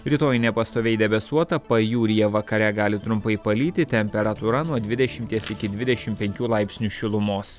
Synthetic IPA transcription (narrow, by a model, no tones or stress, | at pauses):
ɾʲiːt̪oːjnʲɛpɐst̪oːʋʲɛɪd̪ʲɛbʲɛsuɔt̪ɐpɐjuːɾʲɪjɛʋɐkɐɾʲɛɡɑːlʲɪt̪ɾʊmpɐɪpɐlʲiːt̪ʲɪt̪ʲɛmʲpʲɛɾɐt̪uɾɐnuɔd̪ʲʋʲɪd̪ʲɛʃʲɪmʲt̪ʲiɛsɪkʲɪd̪ʲʋʲɪd̪ʲɛʃʲɪmpʲɛŋʲkʲuːlˠɑɪpʲsʲnʲuʃʲɪlˠʊmoːs